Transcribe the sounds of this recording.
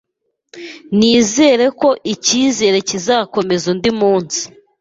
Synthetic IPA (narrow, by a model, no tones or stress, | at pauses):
niːze̞ɾe̞ko̞ʔiciːze̞ːɾe̞cizako̞me̞zundimuːnsi̥